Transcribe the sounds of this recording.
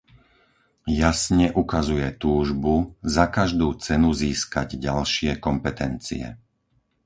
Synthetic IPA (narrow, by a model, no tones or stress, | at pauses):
jasɲɛʔukazujɛt̪uːʒbuzakaʒd̪uːt͡sɛnuziːskaɟɟalʃɪɛkɔmpɛt̪ɛnt͡sḭɛ̰